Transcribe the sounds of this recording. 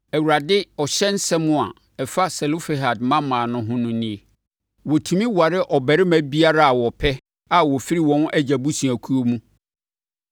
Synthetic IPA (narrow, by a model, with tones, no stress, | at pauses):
æ˨wu˨ɾa˨dɪ˦ɔ˨ɕɛ˦n̩˦sɛ˦mʊ̃˦˨a̰˨ | ɛ˨fa˦sɛ˨lo˦fe˨ɦa˨dmã˦mːãː˨nʊ̃˦ɦʊ̃˦nʊ̃˦nĩ˦e˨ | wɔ˨tʰũ˨mĩ˦wa˨ɾɪ˦ʔɔ˨bɛ˨ɾɪ˦mæ̃˦bi˦a˦ɾa˦a˨wɔ˨pʰɛ˦ | a˦˨wɔ˨fi˦ɾi˦wɔ̃˦nɛ˦d͡ʑæ˨bu˦sĩ˨æ˨kʰu˦o˦mũ˦